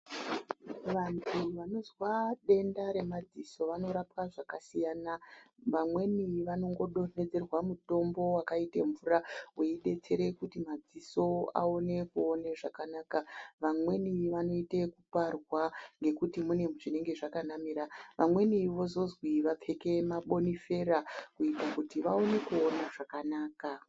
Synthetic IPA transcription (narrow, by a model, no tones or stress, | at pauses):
ʋantʰuʋano̞zwaɗe̞ndaɾe̞mad͡ziso̞ʋano̞ɾapwaʐakasijaːna | ʋamwe̞niʋano̞ŋɡo̞ɗo̞ne̞d͡ze̞rwamuto̞mbo̞wakaiteɱvuraweiɗe̞t͡se̞ɾe̞kutimad͡ziso̞a̰one̞kuoneʐakanaːkaʋamwe̞niʋano̞itekuparwaŋɡe̞kutimune̞ʐine̞ŋɡe̞ʐakanamiɾaʋʔamwe̞niʋo̞zo̞zwiʋap͡fe̞ke̞maɓo̞nife̞ɾakuitakutiʋaone̞kuonaʐakanaːka